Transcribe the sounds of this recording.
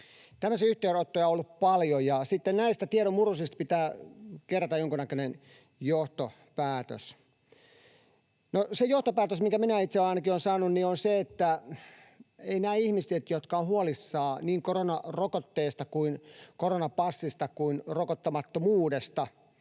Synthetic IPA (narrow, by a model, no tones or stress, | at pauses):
t̪æmːøsiyht̪eːrot̪ːojɑolːuppɑljojɑsit̪ːennæist̪æt̪ieɾomurusist̪pit̪æːkerːɑt̪ɑjoŋkunækønen | joht̪o | pæːt̪ø̰s | nosejoht̪opæːt̪øsmiŋkæminæit̪seɑinɑkionsɑːnunnionseet̪ːæ | einæːihmiset̪jot̪kɑohuolisːɑːniːŋkoronɑrokot̪ːeːst̪ɑkuinkoronɑpɑsːist̪ɑkuinrokot̪ːɑmɑt̪ːomuːdest̪ɑ